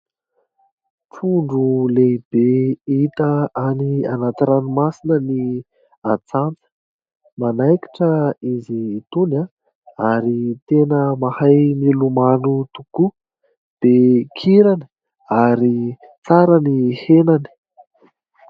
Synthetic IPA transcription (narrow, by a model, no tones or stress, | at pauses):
ʈ͡ʂuɳɖ͡ʐuleib̥eit̪əanianat̪ɾanimasinəni | at͡sant͡sə̥ | manajki̥ʈ͡ʂəiziːt̪una | aɾit̪enəmahajmilumanut̪uku | d̪̥ekʰiɾani̥ | aɾi | t͡saɾənihenani̥